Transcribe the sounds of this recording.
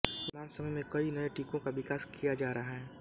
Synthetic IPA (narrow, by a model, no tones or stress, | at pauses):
lãːnsɐməjmẽkɐinɐeʈiːkõkaʋɪkaːskijad͡ʒaːɾɐɦaɦɛ̃ː